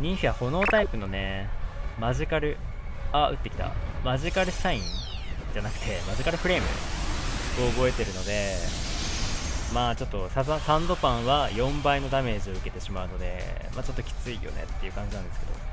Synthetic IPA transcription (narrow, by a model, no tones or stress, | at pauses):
ɲ̟ĩɰ̃ɕʲiβaho̞no̞ːt̪aipɯ̟no̞ne̞ | maʑikaɾɯ̟ | aɯ̟t̪ːe̞kʲi̥t̪a̰maʑikaɾɯ̟saĩ | d͡ʑanakɯ̟̥t̪ʰe̞maʑikaɾɯ̟ɸɯ̟ɾe̞ːmɯ̟̰ | ɡ̥o̞ːbo̞e̞t̪e̞ɾɯ̟no̞d̪e̞ | maːt͡ɕo̞t̪ːo̞saasãnd̪o̞pãɰ̃βajõ̞mbaino̞d̪ame̞ːʑio̞ɯ̟ke̞t̪e̞ɕimaɯ̟no̞d̪e̞̰ma̰ːt͡ɕo̞t̪ːo̞kʲi̥t͡sɨḭjo̞̰nḛt̪ːe̞iɯ̟ːkãɲ̟d͡ʑinãnd̪e̞sɨ̥ke̞d̪o̞̰